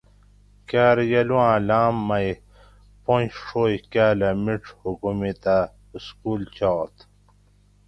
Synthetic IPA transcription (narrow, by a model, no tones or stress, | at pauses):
kaːɾjɐluãːlaːmːɐj | põnɕʂoːjkaːlɐmiʈ͡ʂhukumit̪a | skuːlt͡ɕaːt̪